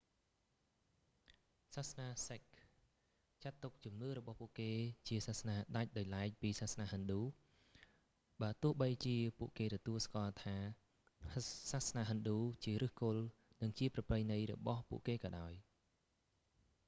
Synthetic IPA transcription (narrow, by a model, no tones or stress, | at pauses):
saːhsnaːsek̚ | t͡ɕat̪ːuk̚t͡ɕumnɨːrɔɓɑhpŭəʔkeːt͡ɕiəsaːhsnaːɗac̚ɗaɔjlaɛc̚piːsaːhsnaːɦənɗuː | ɓaːt̪ʊəhɓəjt͡ɕiəpuəʔkeːt̪ɔt̪uəlskŏəlt̪ʰaː | saːhsnaːɦənɗuːt͡ɕiəɾɨːhkʊl | nɨŋt͡ɕiəprɑprəjnɨjrɔ̰ɓɑhpṵəʔkeːkɑːɗaɔj